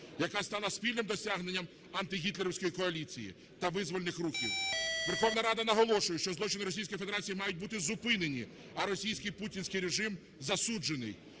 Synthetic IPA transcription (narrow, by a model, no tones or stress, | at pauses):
jɐkast̪ɑlˠɐsʲpʲilʲnɪmd̪ɔsʲaɦnenʲːɐm | ɐnt̪ɪɦʲit̪lʲeɾɔwsʲkɔjikɔɐlʲit͡sʲḭjḭ | t̪ɐʋɪzʋɔlʲˠenɪxruxʲḭwʋerxɔʋnɐɾɑd̪ɐnɐɦɔlˠɔʃʊjɛʃt͡ʃɔzlˠɔt͡ʃɪnɪɾɔsʲijsʲkɔjf̬ed̪eɾat͡sʲijimɑjʊt̚ʲbut̪ɪzʊpɪnenʲi | ɐɾɔsʲijsʲkɪjputʲinʲsʲkɪjɾeʒɪm | zɐsud͡ʒenɪ̰j